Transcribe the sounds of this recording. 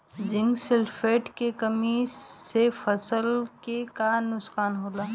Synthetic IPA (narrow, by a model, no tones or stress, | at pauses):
d͡ʒɪ̃ŋɡselpʰeːʈkekəmisefʰəsəlkekanʊskaːnɦoːlaː